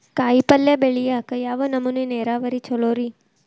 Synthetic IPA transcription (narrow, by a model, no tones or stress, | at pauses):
kaːjipɐlːebeɭijaːkɐjaːʋonɐmːɐneneːɾaːʋɐɾit͡ʃɔɭoːɾi